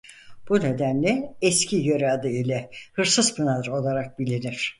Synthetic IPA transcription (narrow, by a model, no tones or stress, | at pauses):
b̥une̞d̪ænlʲɛɛscʰijøɾɛad̪ɯilʲɛhɯɾsɯz̥pʰɯnaɯɾo̞lˠaɾak̚bilʲiniɾ̥